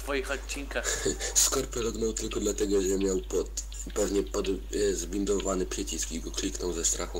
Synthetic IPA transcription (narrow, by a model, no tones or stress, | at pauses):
t̪fɔjixɔt͡ɕːiŋkaxskɔɾpɛɾɔɡnɔwt̪ɘlkɔd̪lat̪ɛɡɔʐɛmʲjawpɔt̪ | pɛvɲɛpɔd̪zbʲind̪ɔvanɘpʂɛt͡ɕiskʲiɡɔklʲiknɔwzɛst̪ɾaxu